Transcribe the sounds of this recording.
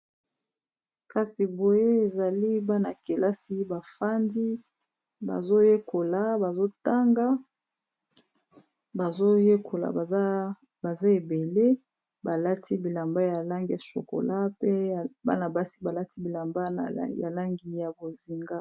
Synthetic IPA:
ka˨si˨bo˨je˦e˨za˨li˦ba˦na˨ke˨la˦si˦ba˨fa˦ndi˦ | ba̰˨zo˦je˦ko˨la˨ba˨zo˦ta˦ŋɡa˦ | ba˨zo˦je˦ko˨la̰˨˦ | ba˨za˦e˨be˨le˦ | ba˨la˦tʰi˦bi˨la˨mba˦ja˨la˦ŋɡi˦a˨so̰˨ko̰˨la˦pe˦˨ba̰˦na˨ba˦si˦ba˨la˦ti˦bi˨la˨mba˦˨ja̰˨la˦ŋɡi˨ja˨bo˨zi˨ŋɡa˦

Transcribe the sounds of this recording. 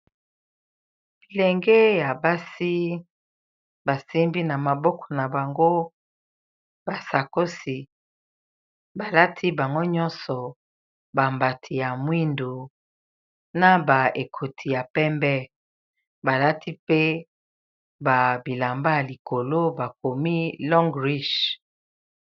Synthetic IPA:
le˨ŋɡe˦ja˨ba˦si˦ | ba˨se˦mbi˦na˨ma˨bɔ˦kʰɔ̥˨na˨ba˨ŋɡo˦ | ba˨sa˨ko˦si˨ | ba˨la˦tʰi˦ba˨ŋɡo˦ɲɔ˦nsɔ˨ | ba˨mba˨tʰi˨ja˨mwi˦ndo˨ | na˦ba˨e˨kʰo˨tʰi˨ja˨pɛ˦mbɛ˦ | ba˨la˦tʰi˦pe˦ | ba˨bi˨la˨mba˦ja˨li˨ko˨lo˦ba˨ko˨mi˦lɔ˦ŋɡʁi˦ʃ

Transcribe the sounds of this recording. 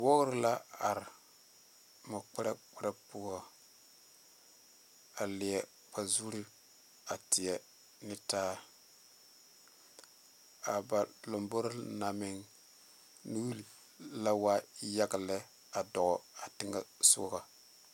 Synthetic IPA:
wo˦ɣɾla˦a˨ɾɪ˨ | mo˨k͡pɛ˦ɾa˦k͡pɛ˦ɾa˦pʊ˦a˨ | a˨lɪ˨jɛ˨ | k͡pa˨zu˦ɾi˦ | a˨tɪ˨jɛ˨ | nɪ˦taː˦ | a˨ba˨lo˨mbo˦ɾna˨mɪ˦ŋ | nu˦wu˦li˨ | la˦wa˦ja˦ɡa˨lɛ˦ | a˨dɔ˨ɣɔ˨a˨tɪ˦ŋɡa˦sʊ̰˦ka˨

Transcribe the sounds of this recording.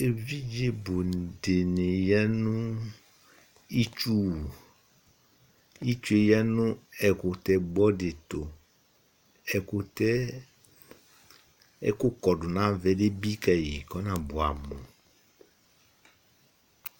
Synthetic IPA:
e˨vi˦d͡ʒe˦bʊ˨n˨dɪ˨nɪ˨jɛ˦nʊ̃˦ | i˦t͡ʃu˦˨ | i˦t͡ʃu˦e˨jɛ˦nʊ̃˦ɛ˨kʊ˨tɛ˨ɡ͡bɔ˦dɪ˨tʊ˨ | ɛ˨kʊ˨tɛ˦ | ɛ̰˦kʊ˦kɔ˨dʊ˨nã˦vɛ˦de˦bi˦kɛ˨ji˨kɔ˦nã˨bʊ˨a̰˨mʊ˨

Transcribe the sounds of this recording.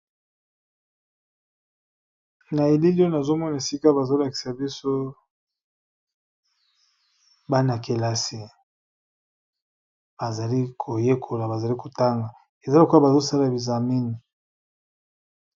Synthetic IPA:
na˨e˨li˦li˦o˦na˨zo˦mɔ˦na˨e˨si˦ka˦ba˨zo˦la˨ki̥˨sa˨bi˦so˦ | ba˦na˨ke˨la˦si˨ | b̥a˨za˨li˦kʰo˨je˦kʰo˨la˨ba˨za˨li˦ko˨ta˦ŋɡa˨ | e˨za˦la˨ku˦a˦ba˨zo˦sa˦la˨bi˨za˨mi˦ni˨

